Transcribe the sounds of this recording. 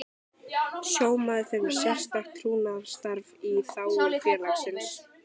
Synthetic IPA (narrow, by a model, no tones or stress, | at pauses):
sjoːwmaðɪθeɥm̥sɛ̥st̪akʰɾuːnavst̪aɾviθaːwʏɾfjɛːlaksɪns